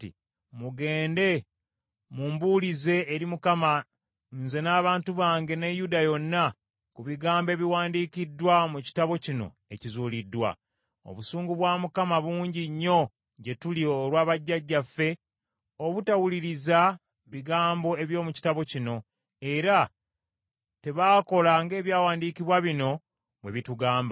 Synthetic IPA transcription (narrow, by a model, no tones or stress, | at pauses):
ḭ | muɡe̞ːnde̞ | muːmbulize̞ːɾimukama | nze̞naːβaːntuβaːŋɡe̞nejudajo̞nːa | kuβiɡaːmbe̞βiwaːndiːkidːwamuci̥taβo̞cino̞̰ | ecizuːlidːwa̰ | o̰βusuːŋɡuβwaːmukamaβuːɲɟiɲːo̞ | ɟe̞tulioːɾwaːβaɟːaɟːafːe̞ | oβutawuliɾiza | βiɡaːmbo̞e̞βjo̞ːmuci̥taβo̞cino̞ | e̞ɾa | te̞βaːko̞laŋɡe̞ːβjaːwaːndiːkiβwaβino̞ | βwe̞βituɡaːmba